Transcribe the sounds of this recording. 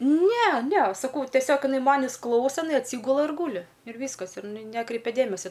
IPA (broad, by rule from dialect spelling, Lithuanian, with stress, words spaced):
ˈnʲɛ ˈnʲɛ sɐˈkɐʊ tʲɛˈsʲoːk ɪˈnɐɪ ˈmɑːnʲɪs ˈklˠɐʊsɐ ɪˈnɐɪ ɐtʲˈsʲiːɡʊlˠɐ ɪr ˈɡuːlʲɪ ɪr ˈʋʲiːskɐs ɪr ɪˈnɐɪ ˈnʲæːkrʲɛɪpʲɛ ˈdʲeːmʲɛsʲɛ